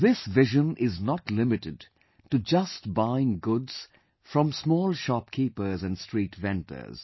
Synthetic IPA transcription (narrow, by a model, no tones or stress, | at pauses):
ðɪsʋɪʒə̃nʔɪznɔtlɪmɪʈɪd | ʈud͡ʒʌstbãɪ̃nɡʊdz̥ | fɹɔ̃msmɔːlˠʃɑpkʰiːpə˞zæ̃nɖstɹiːʈʋɛ̃ntʰə̰z̥